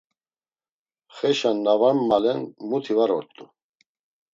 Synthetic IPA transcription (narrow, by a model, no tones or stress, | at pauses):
χɛʃanːavamːalɛnmut̪ʰivaɾɔɾt̪ʼu